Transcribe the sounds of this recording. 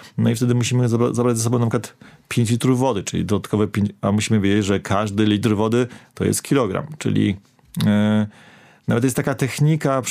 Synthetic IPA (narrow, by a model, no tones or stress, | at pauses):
nɔift̪ɛd̪ɘmuɕimɘzaazabɾad͡ʑzɛs̬ɔbɔ̃w̃namɛkwat̪pʲjẽɲt͡ɕlʲit̪ɾuvːɔd̪ɘt͡ʂɘlʲḭd̪ɔd̪at̪kɔvɛpʲjeɲamuɕimɘvʲed͡ʑed͡ʑʐɛkʰaʐd̪ɘlʲit̪rvɔd̪ɘt̪ɔjɛ̰st̪̚kʲilɔɡɾa̰mt͡ʂɘ̰lʲḭ | navɛt̪jɛst̪ːakat̪ɛxɲika